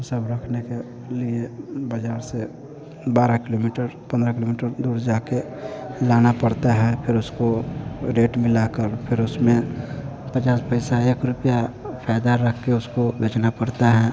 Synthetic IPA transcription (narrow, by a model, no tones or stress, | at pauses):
səbɾəkʰneke | liebəd͡ʒaːɾse | baːɾakɪlomiʈəɾpə̃nd̪ɾakɪlomiːʈəɾd̪uːɾd͡ʒaːke | laːnapəɽt̪aɦɛpʰɪɾʊskoɾeːʈmɪlakəɾpʰɪɾʊsmẽ | pət͡ʃaːspəɪsaeːkɾʊpja | pʰaːd̪aɾəkʰkeʊskobeːt͡ʃnapəɽt̪aɦɛː